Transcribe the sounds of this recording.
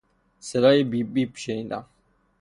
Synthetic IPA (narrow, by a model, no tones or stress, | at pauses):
sɛɾaibibipʰʃɛĩnd̪a̰